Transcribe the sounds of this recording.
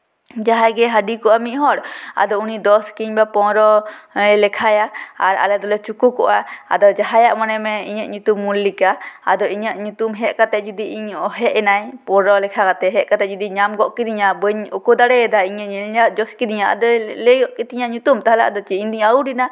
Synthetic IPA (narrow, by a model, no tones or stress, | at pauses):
d͡ʒaɦajɡɛɦaɖikɔʔamiʔɦɔɽa̰d̪ɔunid̪ɔskiɲbapɔ̃ɾɔlɛkʰajaa̰ɾa̰lɛd̪ɔlɛt͡ʃukukɔʔaa̰d̪ɔd͡ʒaɦajaʔmanɛmɛiɲəʔɲut̪umːulːikaːd̪ɔiɲəʔɲut̪umɦɛʔkat̪ɛʔd͡ʒud̪iiɲɔɦɛʔɛnajpɔɾɔlɛkʰakat̪ɛɦɛʔkat̪ɛd͡ʒud̪iɲamɡɔʔkid̪iɲabəɲukud̪aɽɛd̪aiɲɛɛlɲaʔd͡ʒɔskid̪iɲaa̰d̪ɔleɡɔʔkit̪iɲaʔɲut̪umt̪aɦala̰ʔad̪ɔt͡ʃiiɲd̪iɲauɖina